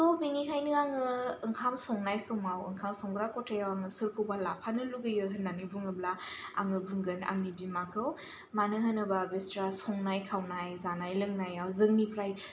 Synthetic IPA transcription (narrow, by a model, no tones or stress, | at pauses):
tɔbiŋikʰajnɯaŋɯɯŋkʰamsɔŋnajsɔmawɯŋkʰamsɔŋɡɾakɔtʰajawaŋɯsɯɾkʰɯwbalapʰanɯluɡɯjɯɦɯnːanibuŋɯblaa̰ŋɯbuŋɡɯna̰ŋnibimakʰɯw | manɯɦanɯbabestɾasɔŋnajkʰawnajzanajlɯŋnajawzɯŋnipʰɾaj